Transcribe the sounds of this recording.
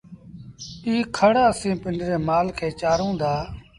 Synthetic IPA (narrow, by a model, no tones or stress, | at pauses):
iːkʰəɽaːəsĩːpɪɳɖɾeːmaːlkʰeːt͡ʃaːɾõːd̪aː